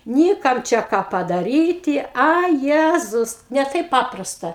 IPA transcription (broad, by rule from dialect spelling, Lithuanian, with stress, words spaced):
ˈnʲiː ˈkɐm ˈt͡ʃʲɛ ˈkɑː pɐdɐˈrʲiːtʲɪ ˈɐ ˈjæːzʊs nʲɛ ˈtɐɪp ˈpɑːprɐstɐ